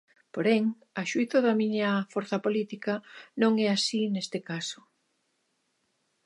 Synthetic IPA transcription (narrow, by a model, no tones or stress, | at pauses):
poɾɛŋ | ɐʃuiθɐðɐmiɲɐfoɾθɐpolit̪ikɐnõŋɛasinest̪ɪkasʊ̥